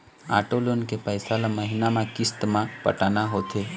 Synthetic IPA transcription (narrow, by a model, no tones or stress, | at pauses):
a̰ːʈolonkepəjsalaməɦinamãkɪst̪mãpə̰ʈaːnaɦoːt̪ʰe